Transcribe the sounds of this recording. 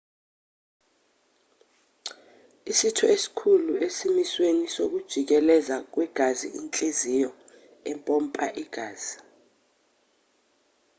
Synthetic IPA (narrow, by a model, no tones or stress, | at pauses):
isitʰɔesi̥kʰuluesimiswenisok̬ud̥ʒ̥ʱik̬ɛlɛzak̬wɛɡ̥ʱazḭʔint͡ɬʼezijɔ | ɛmpʼompʼaʔiɡ̥ʱaːz̥i